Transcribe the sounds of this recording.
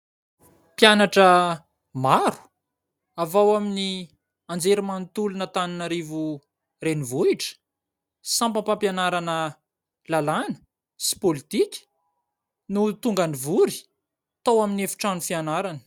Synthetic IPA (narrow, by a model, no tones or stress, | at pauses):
pjanaʈ͡ʂə | maɾu̥ | avawamini | and͡zeɾimant̪ulunət̪aninaɾivu | renivuiʈ͡ʂə̥ | sãmpapampjanaɾanə | lalanə̥ | si̥polit̪ikʲə̥ | nut̪uŋɡanivuɾi̥ | t̪awaminefi̥ʈ͡ʂanufianaɾanə̥